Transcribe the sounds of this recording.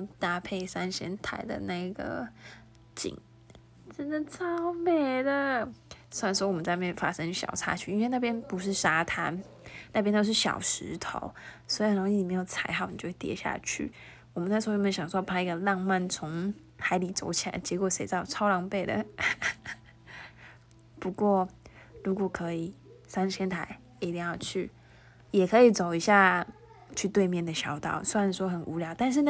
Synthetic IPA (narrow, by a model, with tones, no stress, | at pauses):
t̪a˥˧pʰe˥˩ɪsa˥nɕjɛ˧˥nt̪ʰa̰˧˩ɪd̪ə̰˨na˥˩ɡə̰˩ | t͡ɕḭ˨˩˦ŋ | ʈ͡ʂə˥nd̪ə˨t͡sʰɑ˥ʊpe˥˩ɪd̪ə˨˩ | swa˥˩n˧wɔ˥wɔ˨˩mə˦nt͡sa˥˧ɪm˥˨˩fa̰˥ʂɤ˥ŋɕjɑ̰˨˩ʊt͡sʰa̰˥t͡ɕʰy˥˨i˥nwe˥˧ɪna˥˩pjɛ˥npu˧˥ʂ̬ɻ̩˥˩ʂa˥t̪ʰa˥nna˥˩p̬jɛ˥nt̪o˥ʊʂ̬̩˥˩ɕjɑ̰˨˩ʊʂɻ̩˧˥t̪ʰo̰˧˦ʊswi˧ə˨˩ɾo˧˥ŋi˥˩n˨˩me˧˥jo˨˩ʊt͡sʰa˧˥ɪxɑ˨˩ʊni˨˩t͡ɕjo˥˧˩xe˥˧t̪jɛ̰˧˥ɕja̰˥˧t͡ɕʰy̰˥˩ | wɔ˨˩mə˨˦nt͡sa˥˩ɪswmə˧˥˩ɕjɑ˨˩ŋsɔ˥˩pʰa˥i˧˥ɡə˧lɑ˥˧ŋma˥˩nt͡sʰʊ˧˥ŋ | xa˧˥ɪli˧˥˩t͡so̰˧˥ʊt͡ɕʰi˨la̰˧˥ɪt͡ɕjɛ˧˥kwɔ˨˩ʂe˨˩ɪt̪ɑ˥˩ʊt͡sʰɑ˥ʊlɑ˧˥ŋpe˥˩ɪd̪ə̰˩ | pu˧˥kwɔ˥˩ɻu˧˥kwɔ˨˩kʰɤ˧˥i˨˩sa˥nɕjɛ˥nt̪ʰa˨˧˩ɪ | i˧˩t̪i˥˧ŋjɑ˥˧ʊt͡ɕʰy˥˩ | jɛ˨˩kʰɤ˧˦˥i˨˩t͡so˨˩ʊi˧˥ɕja˥˧ | t͡ɕʰy˥˧t̪we˥˧ɪmjɛ˥˩nd̪ə˩ɕjɑ˧˥ʊt̪ɑ̰˨˩˦ʊswa˥˩n̩˥˩swɔ˥xə˨˩nʔu˧˥ljɑ˧˦ʊt̪a˥˧nʂ̬ɻ̩˥˧n